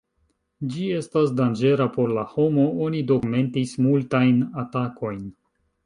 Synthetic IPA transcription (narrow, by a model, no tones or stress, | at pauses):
d͡ʒie̞stasdand͡ʒe̞ɾapo̞ɾlaho̞mo̞o̞nido̞kume̞ntismultajnatako̞jn